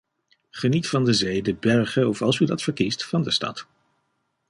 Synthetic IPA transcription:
χənitfɑndəzejdəbɛɹχəɔfɑlˠsydɑtfəɹkistfɑndəstɑ̰t

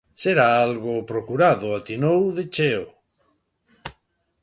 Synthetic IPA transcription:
seɾaalɣopɾokuɾaðoat̪inowðet͡ʃeo

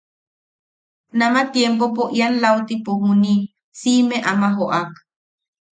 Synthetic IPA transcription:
namat̪jempopoʔianlawt̪ipoɦuni | simeʔamaɦoʔak

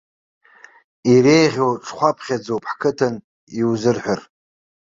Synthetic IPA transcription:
iɾejʁʲowʈ͡ʂʰχʷapʰχʲad͡zowpʰħkʰɨtʰɨn | iwzɨrħʷᶣar

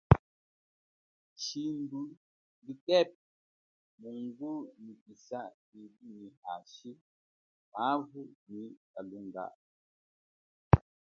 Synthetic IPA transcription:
ʃindu | bitɛp̚ | muŋɡunipisaʔ | ibiniaʃi | avuʔnikaluŋɡa̰ʔ

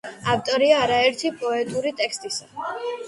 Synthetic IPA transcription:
aft̪ʼɔɾiaːɾaɛɾt̪ʰipʼɔɛt̪ʼuɾit̪ʼɛkʰst̪ʼisa

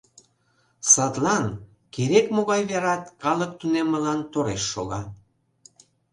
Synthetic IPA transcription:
sɑt̪lɑn | keɾekmoɣɑjβeɾɑt̪kɑlək̚t̪unemːəlɑnt̪oɾeʃːoɣɑ

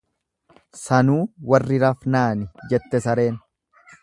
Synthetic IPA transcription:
sɐnuːwɐrːɪɾɐfnaːnɪd͡ʒɛt̪ːɛsɐɾe̞ːn

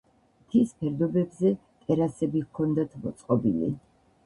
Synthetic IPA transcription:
mt̪ʰispʰɛɾd̪ɔbɛbzɛ | t̪ʼɛɾasɛbikʰɔnd̪at̪ʰmɔt̪sʼqʼɔbḭlḭ

